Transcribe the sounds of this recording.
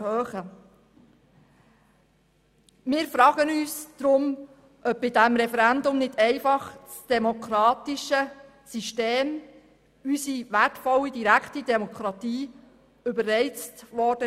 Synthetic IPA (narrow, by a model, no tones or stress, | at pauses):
høːχə | mɪːɾfɾɑːɡ̥ənyːsd̥ɾʊm | ʔœb̚bɪdæmɾɛfɛɾændʊmnɪdɛɪfɑχt͡sd̥ɛmokʰɾɑːt̪iʃə | siʃteːm | ysiʋætfɔlːidiɾækʰtidɛmɔkʰɾɑt̪iː | ʏbəɾɛɪt͡stʋɔɾd̥ə